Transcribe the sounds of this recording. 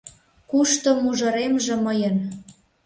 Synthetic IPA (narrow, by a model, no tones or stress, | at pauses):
kuʃt̪omuʒɤ̆ɾemʒĕməjən